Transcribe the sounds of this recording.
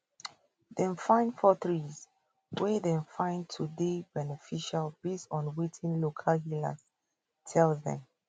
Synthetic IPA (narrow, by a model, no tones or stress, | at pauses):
ðɛ̃nfãɪ̃ndfɔθɹiz | weðɛ̃nfãɪ̃ntʰudebɛnɛfiʃalbestɔ̃nwitʰĩnlokʰalɦila̰s | tʰɛlðɛ̰̃m